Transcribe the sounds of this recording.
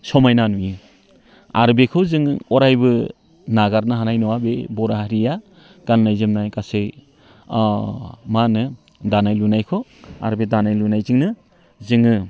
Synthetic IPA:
sɔmajnanujɯ | a̰ɾbekʰɯwzɯŋɔɾajbɯ | naɡaɾnɯɦanajnɔwabebɔɾahaɾija | ɡ̥anːajzɯmnajkasej | manɯ | danajlunajkʰɔa̰ɾbedanajlunajzɯŋnɯ | zɯŋɯ

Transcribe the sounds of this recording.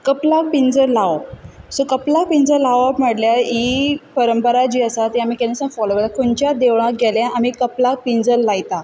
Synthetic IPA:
kəplak̚pind͡zəlawosokəplak̚pind͡zəlaʋam̤əɽljaipəɾəmpəɾad͡ʑiːəsat̪iamikenəsənfɔloɡəɾt̪akoɳt͡ɕjad̪eʋɭãɡʱeljaʔamikəplak̚pind͡zəlːajt̪a

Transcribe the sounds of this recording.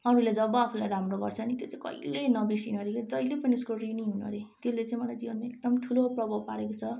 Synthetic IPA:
ʌɾuled͡zʌbʌapʰulajɾamroɡʌrt͡sʰʌnit̪jot͡saĩkʌ̰ilenʌbisinʌɾikd͡zʌjlepʌniuskoriniɦunʌ̰ɾit̪elet͡sãĩmʌlajd͡zibʌnek̚d̪ʌmʈʰuloprʌbʌpaɾekot͡sʰʌ

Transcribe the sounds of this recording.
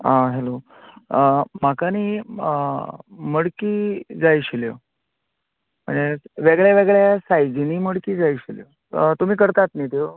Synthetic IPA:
ãɦelo | makaniː | məɽkiːd͡zajɕiljə̰ | mə̰ɳd͡zeʋeɡɭjaʋeɡɭjasajd͡ʑiniːməɽkiːd͡zajɕiljə̰ | t̪um̤iːkəɾt̪at̪nit̪eo

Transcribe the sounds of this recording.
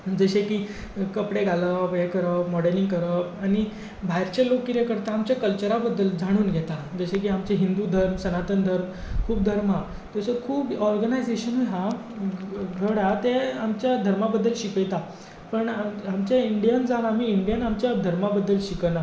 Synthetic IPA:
d͡zəɕekiː | kəpɽeɡʱaləʋekəɾəmɔɽəɾliŋɡkəɾəaɽ̃i | bʱajɾt͡ɕalokːiɾekəɾt̪aːmt͡ɕjakəlt͡ɕəɾabəd̪ːəld͡zʱaɽ̃uːnɡʱɛt̪ad͡zəɕek̬iːamt͡ɕeɦind̪ud̪ʱəɾmsənat̪ənd̪ʱəɾm | kʰuːb̚d̪ʱəɾma | t̪əsəkʰuːbɔɾɡənajd͡zeɕənuɦa | ɡʱəɽat̪eamt͡ɕjad̪ʱəɾmabəd̪ːəlɕikəjt̪a | pəɳamamt͡ɕaiɳɖijənd͡zanam̤iːiɳɖijənamt͡ɕjad̪ʱəɾmabəd̪ːəlɕikəna

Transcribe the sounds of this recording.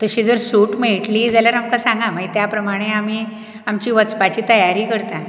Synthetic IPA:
t̪əɕid͡zəɾsuːʈmeɭʈliːd͡zaljaɾamkasãŋɡãmait̪japɾəmaɽ̃eam̤iː | amt͡ɕiːʋət͡spat͡ɕiːt̪əjaɾiːkəɾt̪a

